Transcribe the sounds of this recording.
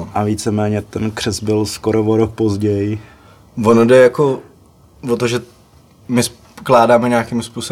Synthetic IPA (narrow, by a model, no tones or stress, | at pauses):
ʔaviːt͡sɛmɛːɲɛt̪ɛnkr̝̥ɛzbɪlskoɾovoɾok̚pozɟɛjɪ | vonodɛjako | vot̪oʒɛ | mɪs | klaːdaːmɛɲaːkimspuːso